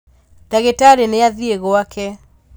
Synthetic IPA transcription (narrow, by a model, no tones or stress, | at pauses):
taɣetaɾeneaðieɣoakɛ